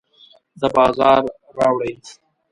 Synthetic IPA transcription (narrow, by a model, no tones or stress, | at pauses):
d̪əbɑːzɑːɾː | ɑːwɽəj